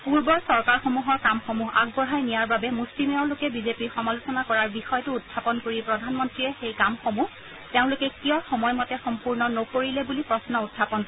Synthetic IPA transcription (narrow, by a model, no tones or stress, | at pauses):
puɹbɔɹsɔɹkaɹxomuɦɔɹkamxomuɦa̰ɡ̚bɔɹɦajnijaɹbabɛmuslimeɔlʊkɛbizepiɹxɔmalusɔnakɔɹaɹbixɔjɔtʊːtʰːapɔnkoɹipɹɔdʱanmɔntɹijɛxejkamxomuh | teʊ̃lʊkɛkijɔxɔmɔjmɔtɛxɔmpuɹnɔnokoɹilɛbulipɹɔsnɔudʰʱːapɔnk